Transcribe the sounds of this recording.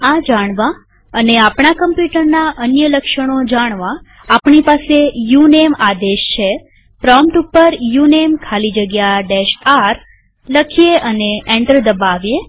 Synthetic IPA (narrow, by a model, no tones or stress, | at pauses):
ad͡ʒaɽ̃ʋã | əneapɳ̃akəmpjuʈəɾnaʔənjələkʃəɽ̃od͡ʒaɽ̃ʋãː | pɳipasejunemad̪eʃt͡ʃʰe | pɾɔmpʈupːəɾjunemkʰalid͡ʒəɡjaɖeʃaɾ | ləkʰijeʔəneeɳʈəɾd̪əbaʋje